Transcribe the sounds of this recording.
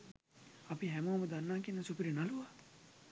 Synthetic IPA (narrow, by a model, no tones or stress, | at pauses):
ɐpiɦɛmoːmɐd̪ɐnːaːkinːɐsupiɾinɐlua